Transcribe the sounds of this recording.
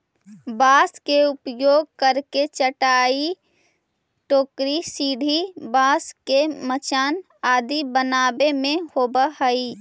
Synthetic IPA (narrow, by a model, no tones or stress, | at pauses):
baːskeʊpjoːɡ̚kəɾket͡ʃəʈaːi | ʈoːkɾisiːɖʱibaːskemət͡ʃaːn | aːd̪ibənaːbemẽhoːbəɦəi